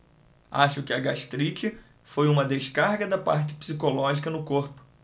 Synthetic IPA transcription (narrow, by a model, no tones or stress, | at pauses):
a̰ʃʊkɪɐɡaʃt̪ɾit͡ʃɪ | fojũmɐd̪eʃkaɾɡɐd̪ɐpa̰ɾt͡ʃɪ̥psikolɔʒikɐnʊkoɾpʊ̥